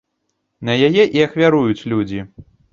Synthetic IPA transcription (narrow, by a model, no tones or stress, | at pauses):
nɐjajɛʔiɐxvʲaɾujut͡sʲlʲud͡zʲi